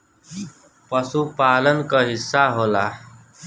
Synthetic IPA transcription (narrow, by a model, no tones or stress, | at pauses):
pəsupaːlənkəɦɪsːaɦoːlaː